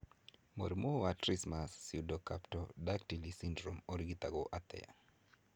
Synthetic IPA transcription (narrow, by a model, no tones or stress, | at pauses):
mo̰ɾmowatɾismasːiudokaptɔdak̚tilisindɾomoɾɡit̪aɡoʔat̪ɛ̰ja̰